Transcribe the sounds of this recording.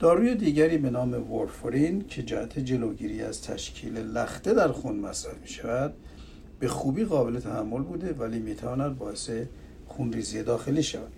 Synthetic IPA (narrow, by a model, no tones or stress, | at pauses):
d̪̥ɒːɾuːjed̪iːɟæɾiːbe̞nɒːme̞voɾfɾincʰe̞d͡ʒæhæt̪ʰed͡ʒe̞lo̞ɟiːɾiːæ̰z̥t̪ʰæ̰ʃcʰiːlelæxt̪e̞d̪æɾxunmæsɾæfmi̥ːʃævæd̪̚ | b̥e̞xuːbiːɣɒːbe̞le̞t̪ʰæhæmːo̞lbuːd̪e̞væliːmiːt̪ʰævɒːnæd̪̚bɒːe̞se̞ | xunriːzijed̪ɒːxe̞liːʃævæd̪̥